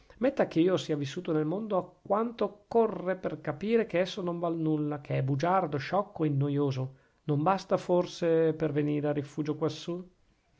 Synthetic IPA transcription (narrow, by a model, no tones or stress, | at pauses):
met̪ːak̟eiːosiːavisːuːt̪onelmond̪oakːwant̪okːorːeperkapiːɾek̟eɛsːonoɱvalnulːak̟ʰeɛbud͡ʒard̪oʃɔkʰːoenːojoːzo | nombast̪aforseperveniːɾearːifuːd͡ʒokwasːu